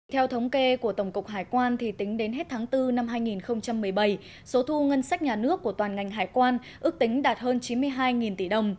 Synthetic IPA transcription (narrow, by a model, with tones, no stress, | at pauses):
t̪ʰɛ˧wt̪ʰə˨˦wŋ͡mke˧ku˧˩ət̪ə˧˩wŋ͡mkʊ˨˩k͡p̚ɦaː˨˩jkwaː˧nt̪ʰi˨˩t̪ï˨˦ŋ̟ɗe˨˦nɦe˦˥t̚t̪ʰaː˨˦ŋt̪ɨ˧na˧mɦaː˧jŋi˨˩nxə˧wŋ͡mt͡ɕa˧mːɨ˨˩əjɓa˧˩j | so˨˦t̪ʰu˧ŋə˧nsa˦˥k̟̚ɲaː˨˩nɨ˦˥əkːu˧˩ət̪waː˨˩nŋa˨˩jŋ̟ɦaː˨˩jkwaː˧n | ʔɨ˦˥k̚t̪ï˨˦ŋ̟ɗaː˨˩t̚həː˧nt͡ɕi˨˦nmɨ˧əjɦaː˧jŋi˨˩nt̪i˧˩ɗə˨˩wŋ͡m